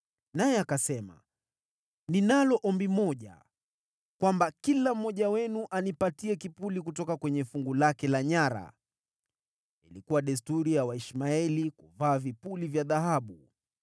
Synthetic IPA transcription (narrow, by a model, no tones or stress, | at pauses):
najɛakasɛma̰ | ninalɔʔɔmbimɔʄa̰ | kwambakilam̩ːɔʄawɛnuʔanipatiɛkipulikutɔkakwɛɲɛfuŋɡulakɛlaɲaɾa̰ | ilikuwaɗɛs̬tuɾijawaiʃmaɛlikuvaːvipulivjaðaɦaɓu